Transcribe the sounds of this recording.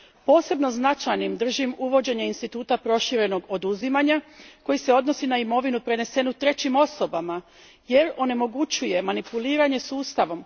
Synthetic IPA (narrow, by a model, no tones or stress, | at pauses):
po̞ːse̞bno̞znat͡ʃajnimd̪r̩ʒimuʋo̞d͡ʑe̞ɲeinst̪it̪uːt̪apɾo̞ʃiɾe̞no̞ɡo̞d̪uzimaɲako̞jise̞o̞d̪no̞sinaimo̞ʋinupɾe̞ne̞se̞nut̪ɾe̞t͡ɕimo̞so̞bama | je̞ɾo̞ne̞mo̞ɡut͡ɕuje̞manipuliːɾaɲe̞suːst̪aʋo̞m